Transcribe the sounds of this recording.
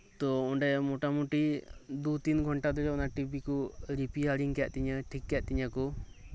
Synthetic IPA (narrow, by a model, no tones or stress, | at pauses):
t̪ɔɔɳɖɛmɔʈamuʈid̪ut̪inɡʱɔɳʈad̪ɔd͡ʒɔɔnaʈibikɔɾipiaɽiŋkɛʔt̪iɲəʈʰikːɛʔt̪iɲakɔ